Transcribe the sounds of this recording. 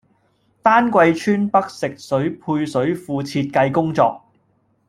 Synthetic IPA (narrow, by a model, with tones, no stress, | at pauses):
t̪aː˥nkʷɐ˧jt͡ʃʰyː˥npɐ˥k̚sɪ˨k̚sɵ˨˥ɥpʰuː˧jsɵ˨˥ɥfuː˧t͡sʰiː˧t̚kɐ˧jkʊ˥ŋt͡sɔː˧k̚